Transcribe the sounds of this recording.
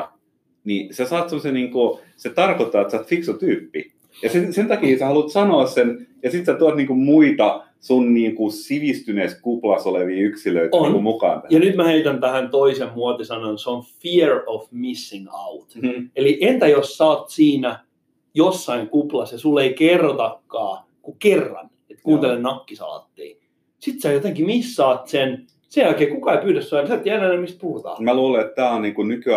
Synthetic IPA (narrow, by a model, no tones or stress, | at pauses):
nisæsɑːt̪semːosenniːŋku | set̪ɑrkot̪ːɑːet̪sɑːt̪fiksot̪yːpːi | jɑsesent̪ɑkiːsehɑlut̪sɑnoːssenjɑsit̪sæt̪uɑt̪niːŋkummuit̪ɑ | sunniːŋkusiʋist̪yneskuplɑsoleʋiːyksiløit̪onkumukɑ̰ːnjɑnyt̪mæheit̪ænt̪æhænt̪oisemmuot̪isɑnonseonfiɛɹofmisːiŋɑ̰ut̪eliʔent̪æjossɑːt̪siːnæ | josːɑiŋkuplɑsjɑsulːeikerːot̪ɑkːɑː | kukerːɑ̰n | et̪kuːnt̪elennɑkːisɑ̰ːɑ̰t̪ːḭː | sit̪sæjot̪ẽŋkimisːɑːt̪sen | sejælkeːkukɑeipyːtæssɑnsɑøt̪ːiænːænæmist̪̚puhut̪ɑ̰ːmæluːleet̪t̪æːonniːŋkunykyæ